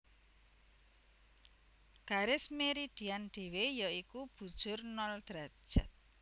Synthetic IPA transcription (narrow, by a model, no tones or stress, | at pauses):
ɡ̥aɾɪsmeɾiɖ̥ianɖ̥e̤wejəikub̥ṳd̥ʒ̥ʊrnɔld̪̥ɾḁd͡ʒa̰t̪̚